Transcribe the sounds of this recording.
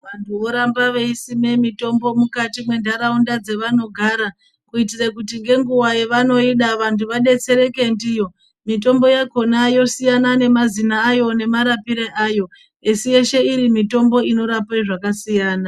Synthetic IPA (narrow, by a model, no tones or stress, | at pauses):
ʋantʰuo̞ɾambaʋeisime̞mito̞mbo̞mukatimwe̞ndʱaɾaundad͡ze̞ʋano̞ɡʱaːɾa | kuitirekutiŋɡe̞ŋɡuwajeʋano̞iɗaʋantʰuʋaɗe̞t͡se̞ɾe̞ke̞ndijo̞ | mit̬o̞mbo̞jako̞najo̞sijanane̞mazinaːjo̞ne̞maɾapiɾeʔajo̞ | esije̞ʃe̞iɾimito̞mbo̞ino̞ɾapeʐakasijaːna